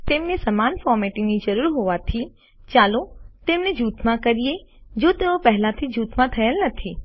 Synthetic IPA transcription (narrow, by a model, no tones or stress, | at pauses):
t̪emnesəmanfɔɾmeʈinid͡ʒəɾuɾɦoʋat̪ʰi | t͡ʃalot̪emned͡ʒut̪ʰmãkəɾijed͡ʒot̪eopəɦlãt̪ʰid͡ʒuːt̪ʰmãt̪ʰəelnət̪ʰi